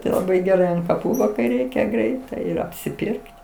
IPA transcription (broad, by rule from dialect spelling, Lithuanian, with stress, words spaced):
tɐɪ lˠɐˈbɐɪ ɡʲɛˈrɐɪ ɐnt kɐˈpuː ʋɐ kɐɪ ˈrʲɛɪkʲɛ ˈɡrʲɛɪtɐɪ ɪr ɐpʲsʲɪˈpʲɪrkt